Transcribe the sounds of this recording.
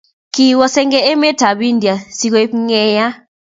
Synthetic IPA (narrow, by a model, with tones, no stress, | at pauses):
ki˦wɔ˦sɛ˦ŋɡɛ˦ɛ˦mɛ˦tʰa˨ɓi˦ndi˨a˨si˦k̬ɔ˦e˦pŋɛ˦ja˦